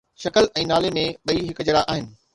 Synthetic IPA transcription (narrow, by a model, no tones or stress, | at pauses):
ʃɐkəlʔɛ̃ːnaːlemẽɓɐiɦɪkʊd͡ʑəɾaʔaːɦɪnɪ̆